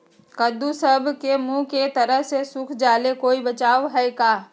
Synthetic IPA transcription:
kəd̪usəbʱkemũːket̪ɐɾəɦsesʊkʰd͡ʒaːlekoːibɐt͡ʃaːʋɦɛkaː

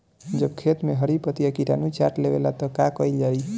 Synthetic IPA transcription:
d͡ʒəbkʰet̪meɦəɾipət̪ijakiʈanut͡ʃaɾʈlebḛlat̪ɔkakəjld͡ʒai

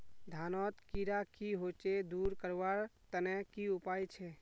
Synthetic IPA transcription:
d̪ʱanɔt̪kiɾakiɦot͡ʃed̪uɾkəɾʋaɾt̪ənɛkiupajt͡ʃʰɛ

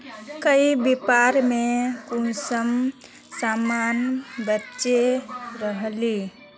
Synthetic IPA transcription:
kəibipaɾmekunsəm | samanbətːʃeɾəɦli

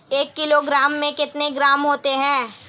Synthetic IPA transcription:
eːkːɪloɡɾaːmːẽkɪt̪neɡɾaːmɦoːt̪eɦɛ̃ː

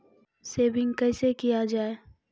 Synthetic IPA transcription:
seːbɪ̃ŋɡkɛːsekijad͡ʒaːe

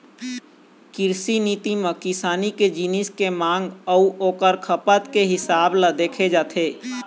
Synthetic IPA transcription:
kɪɾsiniːt̪imə̃kɪsaːniked͡ʒɪnɪskemãːŋɡəuʔoːkəɾkʰəpət̪keɦɪsaːbləd̪eːkʰed͡ʒaːt̪ʰeː

